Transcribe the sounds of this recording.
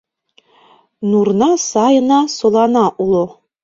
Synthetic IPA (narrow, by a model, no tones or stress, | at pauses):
nuɾnɑsɑjɤ̆nɑsŏlˠɑnɑʔulˠo